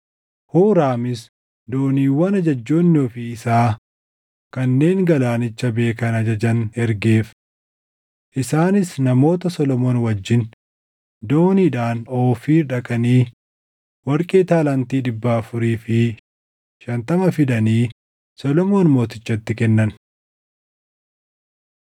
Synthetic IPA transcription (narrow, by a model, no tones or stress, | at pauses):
huːɾaːmɪs | d̪oːniːwːɐnɐd͡ʒɐd͡ʒːo̞ːnːɔfɪɪsaː | kɐnːe̞ːŋɡɐlaːnɪt͡ʃːɐbe̞ːkɐnɐd͡ʒɐd͡ʒɐnɛɾɡe̞ːf | ʔɪsaːnɪsnɐmo̞ːt̪ɐsɔlɔmo̞ːnwɐd͡ʒːɪn | d̪oːniːᶑaːnoːfiːɾᶑɐkʼɐniː | wɐɾkʼeːt̪aːlɐnt̪iːᶑɪbːaːɐfʊɾiːfɪ | ʃɐnt̪ɐmɐfɪd̪ɐniː | sɔlɔmo̞ːnmo̞ːt̪ɪ̥t͡ʃːɐt̪ːɪkɛnːɐn